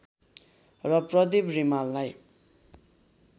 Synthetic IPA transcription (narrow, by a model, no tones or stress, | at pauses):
rʌprʌd̪ibrimalːaj